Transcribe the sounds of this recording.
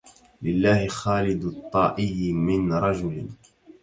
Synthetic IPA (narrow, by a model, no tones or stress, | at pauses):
lɪlːaːhɪxaːlɪd̪t̪ˤːɑːʔɪjmɪnɾˤɑd͡ʒʊl